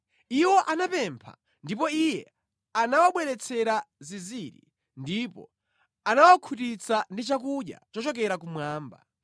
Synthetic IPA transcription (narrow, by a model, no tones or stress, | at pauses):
iwɔʔanapɛmpʰa̰ | ndipɔijɛ | anawaɓwɛɾɛt͡sʰɛɾaziziɾḭ | ndipɔ̰ | anawakʰut̬it͡sandit͡ʃakuɗja̰t͡ʃɔt͡ʃɔk̬ɛɾakumwaːmba̰